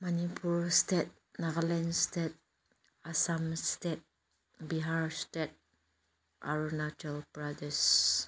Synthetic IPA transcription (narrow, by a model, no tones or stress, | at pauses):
manipʰuɾstet̪̚ | naʁalɛnstet̚ | asamstet̪̚ | biɦaɹstet̪̚ | ʔa̰ɹunat͡ʃalpɹadəs